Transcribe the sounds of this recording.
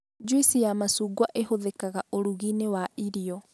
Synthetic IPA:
d͡ʒwisijamasuːɡwaʔeɦoðekaɣaʔoɾuɣinewaiɾiɔ

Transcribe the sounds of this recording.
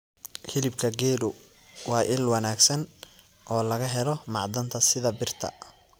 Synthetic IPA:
hɪlɪbkʰɐɡɛːɽʊ | wɑːʔɪlwɐnaːɡsɐn | ʔɔːlɐɣɐɦɛlɔmɑʕd̪ɐnt̪ʰɐsɪðɐbɪrt̪ʰɐ̰

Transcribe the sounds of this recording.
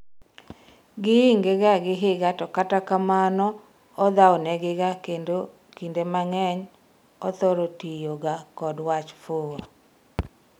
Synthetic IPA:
ɡɪːŋɡeɡaɡɪɦɪɡatɔkatakamanɔ | ɔd̪awnɛɡɪɡakendo | kindemaŋɛɲ | ɔt̪ɔɾotijoɡakɔdwat͡ʃfoo

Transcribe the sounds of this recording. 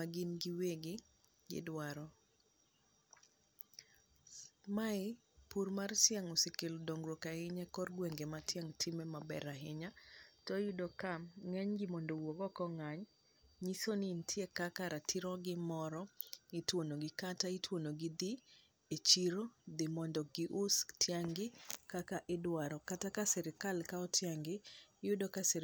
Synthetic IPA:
maɡinɡɪweɡɪ | ɡɪ̰dwaɾɔ | maɪ | purmarsjaŋɔsɪkɪldoŋɡɾwokahɪɲakɔrɡweŋɡematjaŋtʰɪmɛmabɛ̰ɾaɦɪɲatɔjudokamŋɛɲɡɪmɔndowɔɡɔkɔŋaɲ | ɲisonintʰjekakaɾatʰiɾɔɡɪmɔɾɔitwonoɡɪkataitwonoɡɪd̪i | et͡ʃiɾod̪ɪmɔndɔɡɪʔʊstjaŋɡɪkakaʔɪdwaɾɔkatakasɛɾɪkalkaɔtʰjaŋɡɪjʊdokasɛɾ

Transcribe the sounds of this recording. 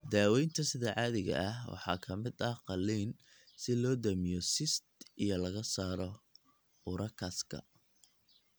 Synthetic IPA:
d̪aːwɛjnt̪ʰɐsɪðɛʕɑːðɪɣɐ̰ʔɐɦwɑ̰ħɑ̰ːkʰɐmɪd̪ɐhqɑliːn | sɪlɔːd̪ɐmɪjɔsɪst̪ʔijɔlɐɣɐsaːɾɔ | ʊɾʔɐkʰɐskʰɐ̰

